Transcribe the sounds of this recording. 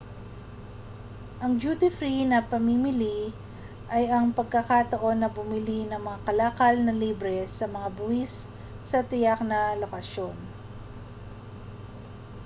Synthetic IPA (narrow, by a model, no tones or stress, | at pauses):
ʔɐŋd͡ʒut̪ɪfɾinɐpɐmimɪli | ʔɐjɐŋpɐɡ̚kɐkat̪ɐʔo̞nːɐbʊmɪlinɐŋmɐŋakɐlaːkɐlnɐliːbɾɛsɐmɐŋabʊwisː | ɐt̪ɪjak̚nɐlokɐʃo̞n